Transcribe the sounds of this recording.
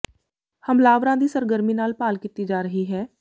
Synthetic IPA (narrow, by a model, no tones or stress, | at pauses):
həmlaːʋɾãd̪iːsəɾɡəɾmiːnaːlpaːlkit̪id͡ʒaːɾəɦiɦɛː